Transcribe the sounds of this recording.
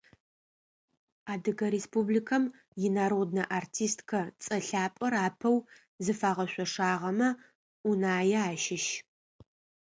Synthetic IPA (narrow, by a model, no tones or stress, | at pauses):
aːdɨɡɐɾeːspublikʰɐm | jɪnaːɾod̚nɐʔartʰiːstʰkʰɐt͡sʼɐɬaːpʼɐɾaːpʰɐw | zɨfaːʁɐɕʷɔʂaːʁɐmɐ | unaːjɛaːʃɪʃ